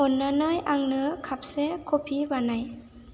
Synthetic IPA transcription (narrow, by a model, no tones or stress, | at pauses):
ʔonːanɯjʔaŋnɯkʰap̚sekʰopʰibanaj